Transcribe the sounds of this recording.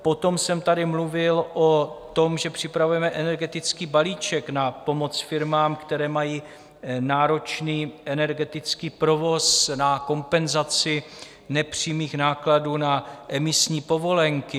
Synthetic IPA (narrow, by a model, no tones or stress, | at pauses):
po̞t̪o̞msɛmt̪adɪmluvɪlʔot̪o̞mʒɛpr̝̥ɪpɾavujɛmɛʔɛnɛɾɡɛt̪ɪt͡skiːbaliːt͡ʃɛknapo̞mo̞t͡sfɪɾmaːmkt̪ɛɾɛːmajiː | naːɾo̞t͡ʃniːʔɛnɛɾɡɛt̪ɪt͡skiːpɾo̞vo̞snako̞mpɛnzat͡sɪ | nɛpr̝̥iːmiːxnaːkladuːnaʔɛmɪsɲiːpo̞vo̞lɛŋkɪ